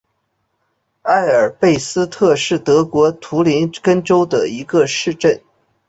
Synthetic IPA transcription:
a˥˩ɪə˞˨˩pe˥˩ɪsɹ̩˥t̪ʰɤ˥˧ʂɻ̩˥˩t̪ɤ˧˥kwɔ˧˥t̪ʰu˧˥li˧˥nkə˥nʈ͡ʂo˥ʊd̪ə˨i˧˥ɡə˧ʂɻ̩˥˧ʈ͡ʂə˥˩n

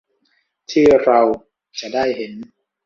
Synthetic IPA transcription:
t̪ʰiː˥˩ɾa˧w | t͡ɕa˨daː˥˩jhe˩˦n

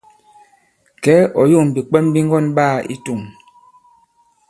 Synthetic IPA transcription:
kɛ˨˦ɔ˨jo˦˨m˨bi˨k͡pɛ˦mbi˦ŋɡɔ˦nɓaː˦˨ḭ˦tu˨m

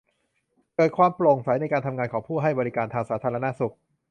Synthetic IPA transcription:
kɤː˨˩t̪̚kʰwaː˧mplo˨˩ŋsa˩˦jna˧jkaː˧nt̪ʰa˧mŋaː˧nkʰɔː˩˦ŋpʰuː˥˩ɦa˥˩jbɔː˧ɾi˦˥kaː˧nt̪ʰaː˧ŋsaː˩˦t̪ʰaː˧ɾa˧na˦˥su˨˩k̚

